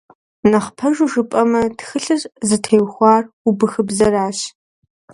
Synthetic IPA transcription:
nɐχpʰɐʒʷʊʒɨpʼɐmɐtxɨɬɨrʼzɨtʰeːjwxʷɑːr | ubɨxɨbzɐraːɕ

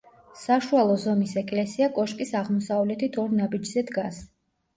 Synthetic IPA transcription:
saʃualˠɔzɔmisɛkʼlɛsiakʼɔʃkʼisaʁmɔsavlɛt̪ʰit̪ʰɔɾnabid͡ʒzɛd̪ɡas

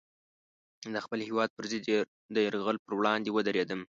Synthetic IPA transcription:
d̪əxpəlhewɑd̪̚pəɾzɪd̪ | d̪əjəɾɣəlpəɾwɽɑnd̪ewəd̪aɾed̪əm

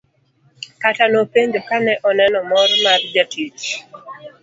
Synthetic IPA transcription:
katanopeɲd͡ʒokanɛʔɔnɛnɔmɔrmard͡ʒatit

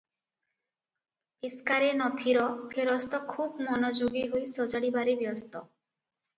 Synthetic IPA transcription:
eskaɾenɔt̪ʰiɾɔpʰeɾɔst̪ɔkʰubmɔnɔd͡ʒoɡiɦojsɔd͡ʒaɽibaɾebjɔst̪ɔ

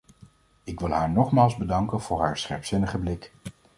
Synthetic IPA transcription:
ɪkʋɪlˠɦaːɹnɔχmaːlˠzbədɑŋkənvʊːɹɦaːɹsχɛ̰ɹpsɪnəχəblɪk

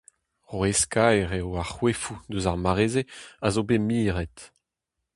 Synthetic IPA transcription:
ʁweskajʁewaχwefud̪øzaʁmaʁeːzeazobemiːʁɛt̪

